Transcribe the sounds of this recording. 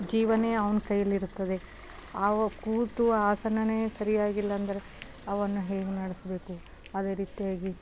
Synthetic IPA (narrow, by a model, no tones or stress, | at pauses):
d͡ʒiːʋɐne̞ːɐʋɐnkɐjːɐlːiɾut̪ːɐd̪e̞ | aːʋɐkuːt̪uaːsɐnɐne̞ːsɐɾijaːɡilːɐːnd̪ɐɾe̞ | ɐʋɐnːuɦeːɡenɐɽisbe̞ːku | ɐd̪e̞ːɾiːt̪ijaːɡi